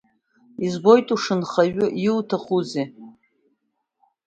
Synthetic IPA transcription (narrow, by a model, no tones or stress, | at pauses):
izbo̞jtʼuʂɨnχaɥʊʔiltʰaχuze